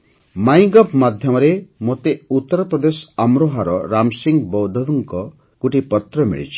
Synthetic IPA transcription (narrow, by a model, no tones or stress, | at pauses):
maj̃ɡɔpmad̪ʱjɔmɔɾemot̪eut̪ːɔɾɔpɾɔd̪esɔ̥amɾoɦaɾɔɾamsiŋɡbɔwd̪ʱɔd̪ɔŋkɔ | ɡ̥uʈipɔt̪ɾɔmḭɭḭt͡ʃʰi̥